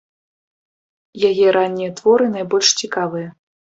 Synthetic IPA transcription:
jajɛɾanʲːijɐt̪vɔɾɨn̪ajbɔlʲʂt͡sʲikavɨjɐ

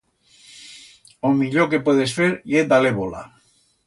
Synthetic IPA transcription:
omiʎokepweðesfeɾied̪aleβola̰

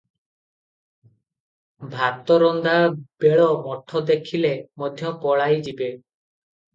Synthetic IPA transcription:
bʱat̪ɔɾɔnd̪abeɭɔmɔʈʰɔd̪ekʰilemɔd̪ʱjɔpɔɭajd͡ʒibe

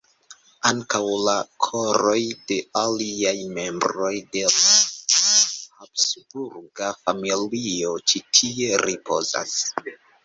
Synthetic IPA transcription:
aŋkawlakʰo̞ɾo̞jde̞aliajme̞mbɾo̞jde̞la | hapsbuɾɡafamilio̞t͡ʃitʰie̞ɾipʰo̞̰za̰s

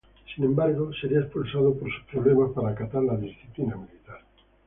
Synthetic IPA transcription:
sinẽmbaɾɣoseɾiaespulsað̞opoɾsu̥pɾoβlemapaɾakat̪aɾlaðisθiplinamilit̪aɾ

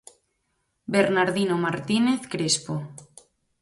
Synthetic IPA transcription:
beɾnaɾðinomaɾt̪ineθkɾespo

